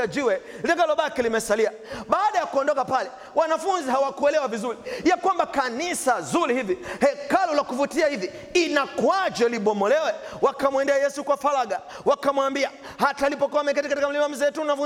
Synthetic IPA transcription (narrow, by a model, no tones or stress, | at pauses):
ad͡ʒiwɛlitakalɔɓakilimɛsalia | ɓaːɗajakuɔndɔkapalɛ | wanafunziɦawakuɛlɛwavizuɾijakwambakanisazuɾihivihɛkalɔlakuvutiahivi | inakwad͡ʒɔliɓɔmɔlɛwɛwakamwɛndɛajɛsukwafalaɡa | wakamwambia | hataːlipɔkɔamɛkatikat̬ikam̩limam̩zɛːtunafu